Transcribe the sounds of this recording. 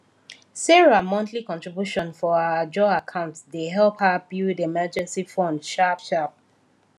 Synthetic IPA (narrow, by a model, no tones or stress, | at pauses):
sɛɹamɔ̃ntʰlikɔ̃ntɹ̥ibjuʃɔ̃nfɔaad͡ʒɔakʰãʊ̃ntsdeɦɛlˠphabjudiemɜd͡ʒɛ̃nsifɔ̃ndʃapʃap̚